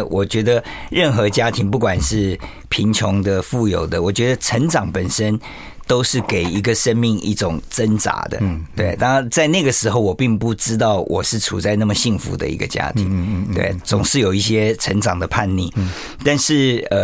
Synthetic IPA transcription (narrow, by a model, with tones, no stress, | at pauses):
wʔɔ˨˩t͡ɕɥɛ˧˥d̪ə˧ɻə˥˩nxɤ˧˥t͡ɕja˥t̪ʰi˧˥ŋp̬u˥˩kwa˨˩nʂɻ̩˥˩ | pʰi˧˥nt͡ɕʰʊ˧˥ŋd̪ə˧fu˥˩jo˨˩ʊd̪ə˦wɔ˨˩t͡ɕɥɛ˧˥d̪ə˧ʈ͡ʂʰə˧˥nʈ͡ʂɑ˨˥ŋpə˨˩nʂə˥n | t̪o˥ʊʂɻ̩˥˩ke˨˩ɪi˧˥ɡə˨ʂə˥nmi˥˧ŋʔḭ˥˩ʈ͡ʂʊ˨˩ŋt͡sə˥nt͡sa̰˧˥d̪ə̰˧˦t̪we˥˩ɪt̪ɑ˥ŋ˧nt͡sa˥˧ɪna˥˩ɡə˩ʂɻ̩˧˥xo˥˩ʊwɔ˨˩pi˥˧ŋpu˥˩ʈ͡ʂɻ̩˥t̪ɑ˥˩ʊwʔɔ˨˩ʂɻ̩˥˩ʈ͡ʂʰṵ˨˩t͡sa˥˧ɪna˥˩mə˩ɕi˥˩ŋfṵ˧˥d̪ə̰˧ḭ˧˥ɡə̰˧t͡ɕja̰˥t̪ʰḭ˨˥ŋt̪wḛ˥˩ɪt͡sʊ˨˩ŋʂɻ̩˥˩jo˨˩ʊi˥˩ɕjɛ˥ʈ͡ʂʰə˧˥nʈ͡ʂɑ˨˩ŋd̪ə˦pʰa˥˧nlḭ˥˩ | t̪a˥˧nʂɻ̩˥˩ə˧˩